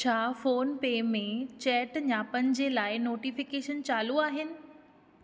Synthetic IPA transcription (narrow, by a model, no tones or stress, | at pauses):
t͡ɕʰaːfoːnpeːmẽt͡ɕɛːʈɲaːpɐɲɪ̆d͡ʑelaːɪnoːʈifɪkeːʃənt͡ɕaːluaːɦɪnɪ̆